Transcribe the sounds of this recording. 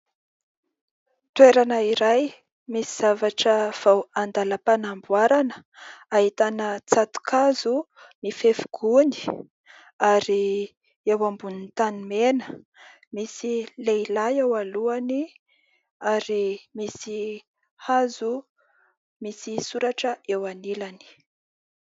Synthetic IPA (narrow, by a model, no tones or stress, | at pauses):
t̪weɾanəiɾaj | misiz̥avaʈ͡ʂəv̥awand̪aləpanambwaɾanə̥aɦit̪anət͡sat̪u̥kʰazu | mifefu̥ɡ̥uni̥ | aɾi | ewambunint̪animenə̥ | misileilajewaluani | aɾimisi | hazu | misisuɾaʈ͡ʂəewanilani̥